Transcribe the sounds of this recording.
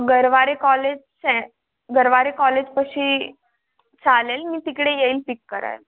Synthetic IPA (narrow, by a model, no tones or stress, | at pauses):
ɡəɾʋaɾekɔled͡ʑ | sɛ | ɡəɾʋaɾekɔled͡ʑpəɕiː | t͡salelmiːt̪ikɽejeiːlpikːəɾa̰jl